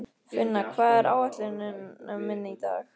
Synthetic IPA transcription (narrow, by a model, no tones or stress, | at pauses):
fɪnːakʰvaːðɛɾʔaːwvɛht̪lɪnɪmɪnːɪit̪a̰ːx